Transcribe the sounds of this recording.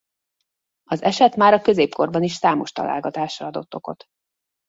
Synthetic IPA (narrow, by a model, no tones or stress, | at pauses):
ɒzɛʃɛt̪maːɾɒkø̞zeːpko̞rbɒniʃsaːmo̞ʃt̪ɒ̰la̰ːlɡɒt̪aːʃrɒɒd̪o̞t̪ːo̞ko̞̰t̪